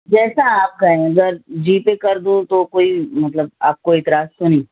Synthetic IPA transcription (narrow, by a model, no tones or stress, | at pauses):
d͡ʒɛːsaaːp̚kaɦɛ̃ɐɡəɾd͡ʒiːpekɐɾd̪ũt̪okoːimɐt̪ləb̚a̰ːp̚koɪt̪ɪɾaːst̪onĩː